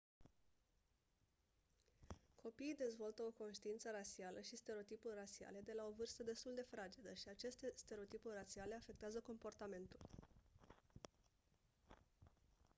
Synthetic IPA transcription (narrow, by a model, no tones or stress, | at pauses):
kʰo̞piːd̪e̞zvo̞lt̪əo̞ko̞nʃt̪iint̪səɾasialʔəʃist̪e̞ɾeot̪ipurʲrat̪sia̰le̞d̪e̞lao̞vɨrst̪əd̪e̞st̪uld̪e̞fɾad͡ʒid̪əʃiat͡ʃe̞st̪e̞st̪e̞ɾeot̪ipurʲrat̪siale̞afe̞k̚t̪eazəko̞mpo̞rt̪ame̞nt̪ul